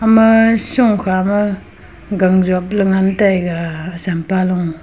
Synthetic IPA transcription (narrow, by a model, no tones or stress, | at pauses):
amasuŋkʰama | ɡaŋzɔp̚lɯŋantajɡasampalɔŋ